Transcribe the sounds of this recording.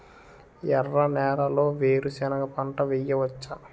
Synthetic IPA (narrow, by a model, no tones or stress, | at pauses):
jɛrːɐnɛːɾɐlo̞ːʋeːɾusɛnɐɡɐpɐɳʈɐʋɛjɐʋɐt͡ʃːa